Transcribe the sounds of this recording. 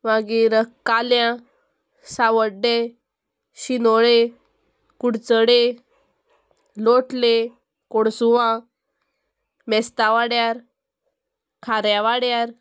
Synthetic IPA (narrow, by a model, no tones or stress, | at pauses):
ʋaɡiɾəkaljã | saʋəɖːe | ɕinoɭe | kuɽt͡səɽe | loʈle | koɽsuʋã | mɛst̪aʋaɽjaɾ | kʰaɾjãʋaɽjaɾ